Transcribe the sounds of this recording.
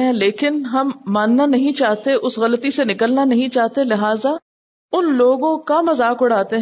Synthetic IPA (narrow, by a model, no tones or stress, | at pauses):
ɦɛ̃leːkɪnɦɐmːaːnːanɐɦĩt͡ʃaːɦt̪eʔʊsɣɐlət̪isenɪkəlnanɐɦĩt͡ʃaːɦt̪elɪɦaːza | ʊnloːɡõkamɐzaːkʊɽaːt̪eɦ